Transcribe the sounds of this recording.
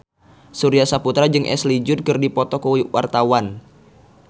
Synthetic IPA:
suɾiasaput̪ɾad͡ʒɨŋʔɛ̰slid͡ʒʊd̚kɨrdipɔt̪ɔkuwiwʔart̪awan

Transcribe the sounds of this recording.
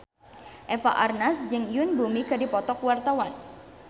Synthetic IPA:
ʔɛfaʔarnasd͡ʒɨŋjʊnbumikadipɔt̪ɔkwart̪awan

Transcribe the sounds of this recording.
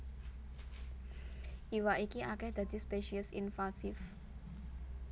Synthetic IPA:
ʔiwaʔikiʔakɛhd̪̥a̤d̪̥i̤speʃiəsḭnfasɪf

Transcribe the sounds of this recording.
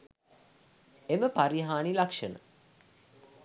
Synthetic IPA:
eməpaɾiɦaːnilakʂənə̰

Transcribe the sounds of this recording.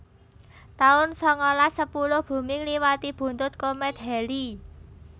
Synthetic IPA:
t̪aʊnsɔŋɔlasəpulʊhb̥ṳmɪŋliwat̪ib̥ṳnt̪ʊt̪̚komɛt̪ɦɛli

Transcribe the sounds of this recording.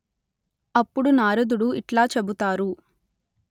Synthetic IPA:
ɐpːuɽunaːɾɐd̪uɽuiʈlaːt͡ʃebut̪aːɾu

